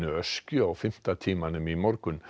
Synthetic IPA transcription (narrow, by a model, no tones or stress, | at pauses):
nəœskʏɔfɛm̥t̪at̪ʰiːmanəmimɔɾɡ̥ʉn